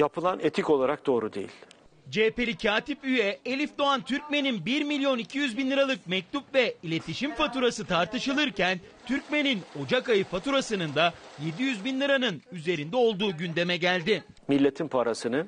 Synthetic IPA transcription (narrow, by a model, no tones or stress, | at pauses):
japʰɯlˠanet̪ʰico̞lˠaɾak̚d̪̥o̞ːɾud̪e̞̰jḭlʲd͡ʒepelʲicʰaːt̪ipyjɛelʲifd̪o̞ant̪ʰyɾcmeninbiɾmilʲijo̞nicʰijyzbinlʲˠɯɾalˠɯk̚mɛc̚t̪upvɛilʲe̞t̪ʰiʃimfat̪uɾasɯt̪ʰaɾt̪ɯʃɯlˠɯɾcæn | t̪ʰyɾcmenino̞d͡ʒakajɯfat̪ʰuɾasɯnɯnd̪aje̞d̪ijyzbinlʲˠɯɾanɯnyze̞ɾind̪ɛo̞lˠd̪uːɟynd̪e̞mɛɟælʲd̪ɪ | milʲːe̞t̪ʰimpʰaɾasɯnɯ